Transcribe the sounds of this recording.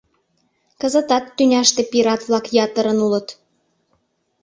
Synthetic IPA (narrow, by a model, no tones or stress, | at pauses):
kə̆zə̆t̪ɑt̪ːynʲɑʃt̪ĕpiɾɑt̪βlɑkjɑt̪əɾə̆nulə̆t̪